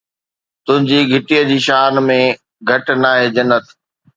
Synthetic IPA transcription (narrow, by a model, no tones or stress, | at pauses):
t̪ʊ̃ɦɪ̃ɲd͡ʑiːɡʱɪʈijəd͡ʑiːʃaːnmẽ | ɡʱɐʈnaːɦeːd͡ʑɐnːət̪